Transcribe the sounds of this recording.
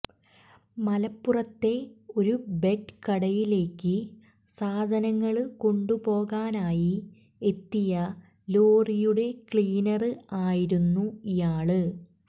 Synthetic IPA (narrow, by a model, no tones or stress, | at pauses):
mɐlɐpːurɐt̪ːe̞o̞ɾube̞ʈkɐɽɐjile̞ːkːɨ | saːd̪ʱɐnɐŋːɐɭko̞ɳɖupo̞ːɣaːnaːji | e̞t̪ːijɐ | lo̞ːrijuɽe̞kɭiːnɐrɨaːjiɾunːuijaːɭɨ